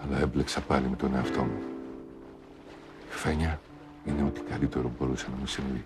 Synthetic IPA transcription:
ɐlɐemble̞ksɐpɐlime̞t̪o̞ne̞ɐft̪o̞̰mu | ife̞ɲɐ | ine̞o̞t̪i̥kɐlit̪e̞ɾo̞bo̞ɾusenɐmesinoi

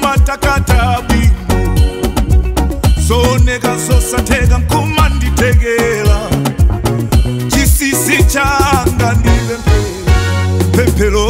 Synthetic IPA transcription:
matakatʰaɓinɛ | zɔnɛkazɔsantʰɛk̬aŋkʰɔmanditʰɛk̬ɛla | t͡ʃisisit͡ʃaŋɡandipɛmpʰɛ | pʰɛmpʰɛlɔ

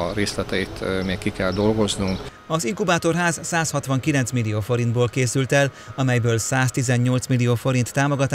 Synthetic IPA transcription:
ɾeːslɛt̪ɛit̪ʰmeːkkikɛld̪o̞lɡo̞znuŋk | ɒziŋkubaːt̪o̞rɦaːzsaːshɒt̪ʋɒŋkilɛnt̪smilːioːfo̞ɾind̪boːlkeːsylt̪ɛl | ɒmɛjbøːlsaːst̪izɛɲɲo̞lt̪smilːijoːfo̞ɾint̪ːaːmo̞ɡɒt̪ː

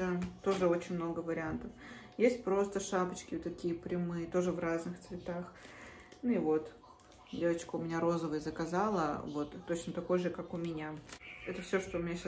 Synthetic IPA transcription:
ɨt̪o̞ʐɨo̞t͡ɕɪnʲmno̞ɡəvəɾʲɪant̪əfjesʲt̚ʲpɾo̞st̪əʂapət͡ɕkʲɪt̪ːɐkʲijəpɾʲɪmɨjət̪o̞ʐɨvraznɨxt̪svʲɪt̪ax | nuɪvo̞t̪ | dʲe̞vət͡ɕkəʊmʲɪnʲaɾo̞zəvəjəzəkɐzalˠə̰vo̞t̪ːo̞t͡ɕnət̪ɐko̞jʐɨkakʊmʲɪnʲaɛt̪əfsʲoʂt̪oʊmʲɪnʲaɕ

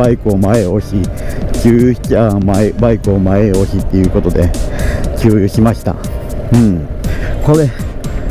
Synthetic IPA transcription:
aikɯ̟omaeo̞ɕikʲɨːjɕi̥amaebaikɯ̟omaeo̞ɕit̪ːe̞jɯ̟ːko̞t̪o̞d̪e̞kʲɨːjɯ̟ɕimaɕi̥t̪a̰ɯ̟̃ɴko̞ɾe̞

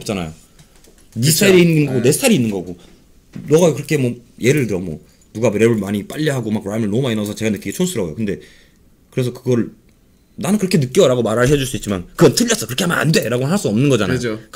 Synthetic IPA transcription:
p̚t͡ɕ͈anajo | nistʰaiɾiːnːɯnːɯnɡʌɡone̞stʰaɾiːnːɯnɡʌɡo | nʌɡakɯɾʌkʰe̞mʌje̞ɾɯɭtɯɾʌmwʌ | nuɡaɾebɯɭmaɲip͈aʎːiɦaɡomakɾamɯɭnʌmainʌsʰʌt͡ɕe̞ɡanɯk͈iɡet͡ɕʰonsʰuɾʌojokɯnde̞ | kɯɾe̞s̬ʰʌkɯɡʌɾɯɭ | nanɯnkɯɾʌkʰe̞nɯk͈jʌɾaɡomaɾaɾɯɭɦe̞d͡ʑuɭs͈uit̚t͡ɕ͈imankɯɡʌnt͈ʰɯʎːʌs͈ʌkɯɾʌkeamana̰nde̞ɾaɡonɦaɭs͈uʌmnɯnɡʌd͡ʑana̰jok

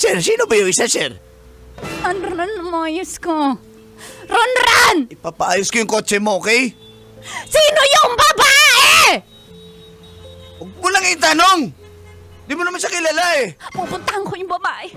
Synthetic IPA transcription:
sɛɾsiːnobɐjoŋɪsasɛɾ | ɐnɾonʊmoʔajʊsko | ɾonɾanʔɪpaːpɐʔaːjʊskojʊŋkot͡ʃɛmooːkɛj | siːnojʊŋbɐbaːʔe | wɐɡ̚mʊnɐŋɪnt̪anoŋ | d̪imonɐmanʃakɪlɐlaʔɛpupʊnt̪ɐhɐŋkojʊŋbɐbaːʔɛ

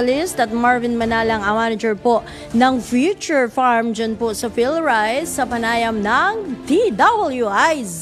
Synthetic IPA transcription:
ɐlɪst̪ɐt̪̚maɹvɪnmɐnaːlɐŋɐmaːnɐd͡ʒɛɹpoʔ | nɐŋfjut͡ʃʊɹfaɹmd͡ʒɐnposɐfɪlɹajsːɐpɐnaːjɐmnɐŋt̪id̪ɐbɐljuajs

